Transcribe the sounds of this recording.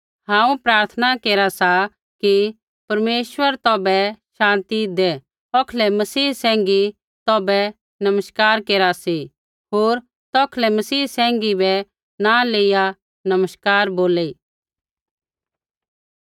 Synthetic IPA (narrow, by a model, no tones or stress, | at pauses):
ɦãːũpɾaːɾt̪ʰənakeːɾasa | ki | pɐɾmeːʃʋəɾt̪ɔːbɛʃãːnt̪id̪ɛ | ɔkʰlɛmɐsiːsɛ̃ːŋɡi | t̪ɔːbɛ | nɐməʃkaːɾkeːɾasi | ɦoːɾ | t̪ɔːkʰlɛmɐsiːsɛ̃ːŋ̆ɡibɛ | naleːija | nɐməʃkaːɾboːleː